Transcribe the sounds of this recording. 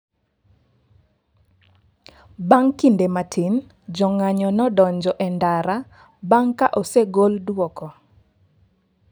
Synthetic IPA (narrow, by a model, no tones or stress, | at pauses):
baŋkindematʰin | d͡ʒɔŋaɲɔnɔdɔɲd͡ʒɔʔɛndaɾa | baŋkaʔɔseɡoldwɔkɔ